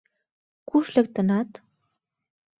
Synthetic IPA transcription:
kuʃlɘ̆k̚t̪ə̆nɑt̪

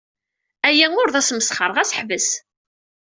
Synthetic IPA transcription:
æjæŋʊɾðæsməsχəɾˤəʁæsəħvəs

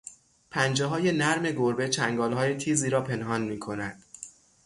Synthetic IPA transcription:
pʰænd͡ʒeɦɒːjenæɾme̞ɡoɾbe̞t͡ʃʰæŋɡɒːlɦɒːje̞t̪ʰiːziːɾɒːpʰe̞nɦɒːnmiːkʰo̞nænd̪̥

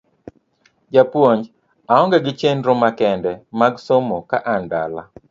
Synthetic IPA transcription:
d͡ʒapwoɲd͡ʒ | aɔŋɡɛɡɪt͡ʃenɾomakɛndɛmaɡsomokaʔanda̰la̰

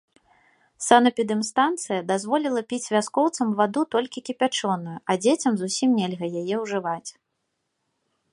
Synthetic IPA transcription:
sanɐpʲid̪ɨmst̪ant̪sɨjɐd̪azvɔlʲilˠɐpʲit͡sʲvʲaskɔwt̪sɐmvad̪ut̪ɔlʲkʲikʲipʲat͡ʂɔnujuʔɐd͡zʲet͡sʲɐmzusʲimnʲɛlʲɣɐjajɛwʐɨvat͡sʲ

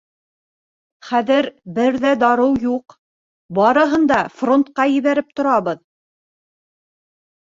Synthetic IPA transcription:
χæðɘɾbɘɾðæd̪ɑɾɤwjuq | bɑɾɤ̆ɦɤ̆nd̪ɑfront̪̚qɑjɘ̆βæɾɘp̚t̪ŏɾɑβɤð

